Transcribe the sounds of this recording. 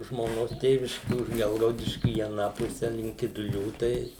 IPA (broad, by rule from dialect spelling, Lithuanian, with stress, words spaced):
ʒmoːˈnoːs ˈtʲeːʋʲɪʃʲkʲɪ ʊʃ ˈɡʲɛlˠɡɐʊdʲɪʃʲkʲʊ iː ɐˈnɑː ˈpʊsʲɛ lʲɪŋk kʲɪdʊˈlʲuː ˈtɐɪ